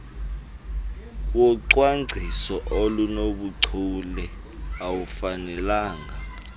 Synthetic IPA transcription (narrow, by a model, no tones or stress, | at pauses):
wɔǀwaŋ͡ǀʱisɔʔolunoɓuǀʰulɛ | awufanɛlaːŋa